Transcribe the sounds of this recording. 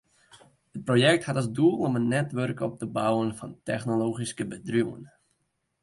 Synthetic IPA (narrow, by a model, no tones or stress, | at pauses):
hət̚projɛk̚thatɑlˠsdulˠɔmənːɛtʋørkɔp̚təbawənfɑntɛχnoloːχiskəbədruwən